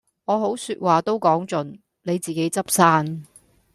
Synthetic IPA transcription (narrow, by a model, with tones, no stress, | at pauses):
ŋɔː˨˧ɦo˨˥wsyː˧t̚waː˨t̪o˥wkɔː˨˥ŋt͡ʃɵ˨n | ne˨˧jt͡siː˨˩ke˨˥jt͡sɐ˥p̚saː˥n